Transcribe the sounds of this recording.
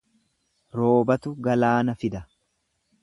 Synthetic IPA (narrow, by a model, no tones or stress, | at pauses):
ɾo̞ːbɐt̪ʊɡɐlaːnɐfɪd̪ɐ